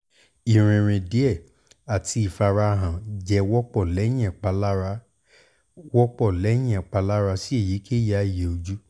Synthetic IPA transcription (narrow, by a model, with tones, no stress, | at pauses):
i˨ɾ̃ĩ˨ɾ̃ĩ˨di˨˦ɛ˦˨ | a˨tʰi˧i˨fa˧ɾa˧ɦã˨d͡ʒɛ˧wɔ˦k͡pɔ˦˨lɛ˨˦j̃ɛ̃˦˨k͡pa˧la˦ɾ | wɔ˦k͡pɔ˦˨lɛ˨˦j̃ɛ̃˦˨k͡pa˧la˦ɾa˧si˦e˦˨ji˨˦kʰe˦ja˦i˦˨jɛ˨o˧d͡ʒu˦